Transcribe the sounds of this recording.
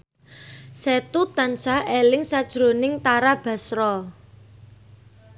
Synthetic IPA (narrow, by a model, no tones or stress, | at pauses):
sɛt̪ut̪ansaʔelɪŋsad̥ʒ̥ɾo̤nɪŋt̪aɾab̥ä̤sɾɔ